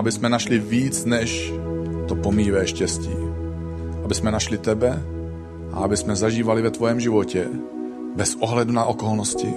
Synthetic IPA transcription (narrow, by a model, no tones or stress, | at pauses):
abɪsmɛnaʃlɪviːt͡snɛʃt̪opomivɛːʃcɛscḭː | ʔabɪsmɛnaʃlɪt̪ɛbɛ | ʔa̰abɪsmɛzaʒiːvalɪvɛt̪vojɛmʒɪvocɛ | bɛsʔoɦlɛdunaʔokolnoscɪ̰